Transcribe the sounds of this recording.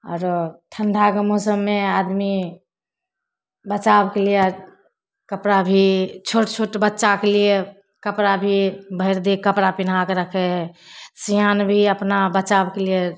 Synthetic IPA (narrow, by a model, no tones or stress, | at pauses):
ɔ̰ːɾt̪ʰənɖ̪ʱakəmosəbːead̪mi | bət͡ʃabkelie | kəpɾabʱit͡ʃʰoʈt͡ʃʰoʈbətːʃakelie | kəpɾabʱibʱəɪɾd̪ekəpɾapinakeɾəkʰɛɦsianbʱiəpnabət͡ʃabkelie